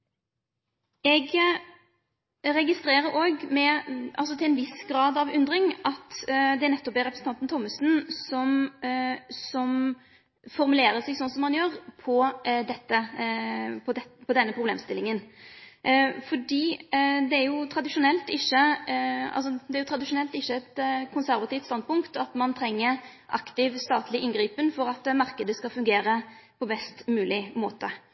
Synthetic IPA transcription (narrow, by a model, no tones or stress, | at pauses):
ɛɡ | ɾɛɡɪst̪ɾeːɾəɾoːɡmɛʔɑ̰ls̬ɔt̪ʰɪlɛnʋɪsɡɾɑːd̪ɑʋʉnd̪ɾɪŋʔɑt̪d̪ɛæɾnɛt̪ːɔp̪ːɛɾɛpɾəsn̩ʰɑnt̪nt̪ʰɔmːəsnsɔm | sɔm | fɔɾmʉleːɾəsɛɡsɔnsɔmhɑnjøːɾpʰɔd̪ɛt̪ːə | pʰɔd̪ɛpʰɔd̪ɛnːəpɾʁʊblḛːmst̪ɪlːɪŋən | fɔɖiːd̪ɛæɾjʊt̪ʰɾɑd̪ɪʂʊnɛlt̪ɪçːə | ɑ̰ls̬ɔd̪ɛæɾjʊt̪ɾɑd̪ɪʂʊnɛlt̪ɪçːəɛt̪kʰʊnsæɾʋɑt̪iːft̪st̪ɑnd̪̚pʊŋkt̪ɑt̪mɑnt̪ʰɾɛŋːəʔɑ̰kt̪ɪʋst̪ɑːt̪lɪʔɪnɡɾiːpənfɔɾɑt̪mɑɾkəd̪əskɑlfʉŋɡeːɾəpʰɔbɛst̪mʉːlɪmoːt̪ə